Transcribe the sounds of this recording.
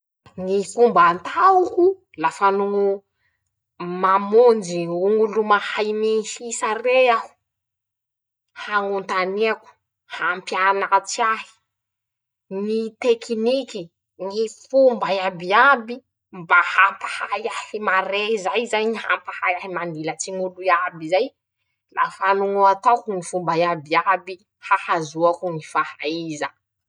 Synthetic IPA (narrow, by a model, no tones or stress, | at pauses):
ŋifumbant̪auku | lafanu | mamond͡ʒiuŋulumahajmiisareau̥ | haŋunt̪aniaku̥ | hampjanat͡siaɦi̥ | ŋit̪ekiniki | ŋifumbajabiabi | mbahampahajahimaɾeizajzajɲiha̰mpahajaɦimanilat͡siŋuluabizaj | la̰fanuŋuat̪akuŋifumbajabiabi | hahazuakuŋifahaiza